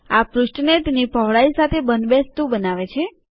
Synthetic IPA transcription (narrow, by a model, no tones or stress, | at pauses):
apɾuʃʈnet̪enipəʋɭaisat̪ʰebənd̪best̪ũbənaʋet͡ʃʰe